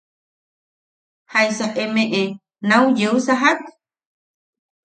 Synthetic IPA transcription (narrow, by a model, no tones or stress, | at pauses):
hajsaʔemeʔe | nawjeusaɦat̪